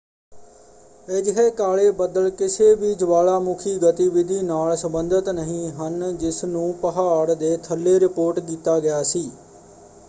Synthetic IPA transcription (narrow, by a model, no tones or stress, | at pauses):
ɪd͡ʒɦeːkaːɭeːbəd̪əlkɪseːʋiːd͡ʒʋaːlaːmʊkʰiːɡət̪iːʋɪd̪ʱiːnaːlsəmbənd̪ət̪nəɦĩːɦənd͡ʒɪsnũːpəɦaːɽd̪eːt̪ʰəlːeːɾɪpoːɾʈkiːt̪aːɡɪjaːsiː